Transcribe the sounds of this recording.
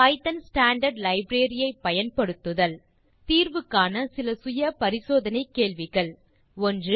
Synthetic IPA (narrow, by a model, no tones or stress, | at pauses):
ɐɪt̪ɐnsʈaːɳɖɐɖlɐɪbɾeːɾɪjɐɪpːɐjɐnpɐɽɯt̪ːɯðɐl | t̪iːɾʋɯkːaːnɐsɪlɐsʊjɐpɐɾɪsoːðɐnɐɪkːeːɭʋɪɣɐɭ | ɔndrɯ